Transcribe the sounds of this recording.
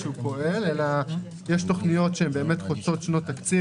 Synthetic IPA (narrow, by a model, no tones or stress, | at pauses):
ʃeupo̞ʔe̞lela | jeʃto̞χnijo̞tʃeembe̞ːme̞tχot͡so̞tʃno̞takt͡si